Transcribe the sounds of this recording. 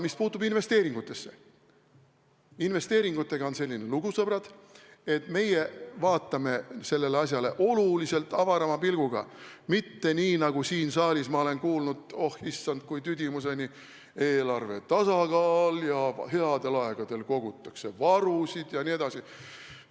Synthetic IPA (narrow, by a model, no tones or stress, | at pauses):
mispuːt̪ːˑubinve̞st̪e̞ːɾiŋɡ̥ut̪ːˑe̞sːe̞ | inve̞st̪e̞ːɾiŋɡ̥ut̪ːˑe̞ɡ̥ɑonse̞lʲːineluɡ̥usɤb̥ɾɑd̪̥e̞t̪me̞jevɑːt̪ːˑɑme̞se̞lːe̞leɑs̬ʲjɑle̞̰ʔo̞lulise̞lt̪ːˑɑvɑɾɑmɑpilɡ̥uɡ̥ɑ̰mit̪ːe̞niːnɑɡ̥usiːnsɑːlʲismɑo̞le̞nkuːlnud̪̥o̞hisːɑnd̪̥̚kujt̪yd̪imuse̞ni | e̞ːlɑrve̞̰t̪ɑsɑkɑːljɑɦe̞ɑd̪̥e̞lɑe̞ɡ̥ɑd̪̥e̞lko̞ɡ̥ut̪ˑːɑkse̞vɑɾusid̪̥jɑnie̞d̪̥ɑsi